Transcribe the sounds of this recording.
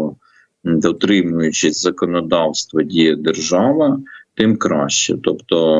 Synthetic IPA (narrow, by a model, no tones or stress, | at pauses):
d̪ɔt̪ɾɪmʊjʊt͡ʃɪzɐkɔnɔd̪ɑwst̪ʋɐdʲijɐd̪erʒɑʋɐt̪ɪmkɾɑʃt͡ʃɛ̰t̪ɔpt̪ɔ